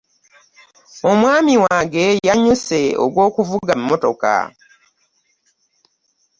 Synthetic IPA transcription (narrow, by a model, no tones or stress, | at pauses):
o̞mwaːmiwaːɡe̞jaɲuse̞o̰ɡwo̞ːkuvuɡamːo̞to̞̰ka̰